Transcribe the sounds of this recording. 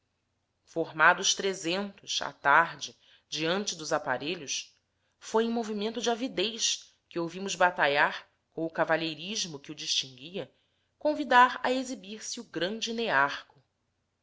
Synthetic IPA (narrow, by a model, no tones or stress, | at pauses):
foɾmad̪ʊːʃt̪ɾezẽnt̪ʊʃa̰t̪aɾd͡ʒɪ | d͡ʒiɐ̃nt͡ʃɪd̪ʊzapa̰ɾeʎʊs | fojẽmovimẽnt̪ʊd͡ʒɪavid̪ejʃ | kɪowvĩmʊzbat̪aʎaɾ | kõw̃ʊkavaʎejɾiʒmʊkɪʊd͡ʒiʃt͡ʃĩŋɡiɐ | kõvid̪aɾɐezibiɾsɪʊɡɾɐ̃nd͡ʒɪneaɾkʊ̥